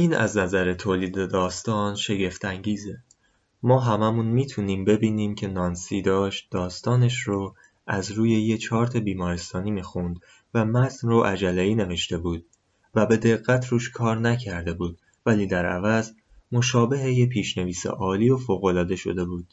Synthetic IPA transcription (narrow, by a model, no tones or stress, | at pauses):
ʔiːnæ̰znæzæɾe̞t̪ʰoːliːd̪ed̪ɒːst̪ɒːnʃe̞ɡe̞ft̪ʰæŋɟiːze | mɒːɦæmæmunmiːt̪ʰuniːmbe̞biːniːmcʰe̞nɒːnsiːd̪ɒːʃt̪̚d̪ɒːst̪ɒːne̞ʃɾo | æzɾuːje̞jet͡ʃʰɒːɾt̪ʰɒbiːmɒːɾest̪ɒːniːmiːxund̪ | væmæt̪ʰnroʔæd͡ʒælːeiːne̞ve̞ʃt̪e̞buːd̪̥̚ | væbe̞d̪e̞ɣːæt̪ʰɾuːʃkʰɒːɾnæcʰæɾd̪e̞buːd̪̥̚ | væliːd̪æɾæ̰væz | mo̞ʃɒːbe̞ɦejepʰiːʃne̞viːsḛʔɒːliːofoːɣo̞lɒːd̪e̞ʃo̞̰d̪e̞buːd̪̥̚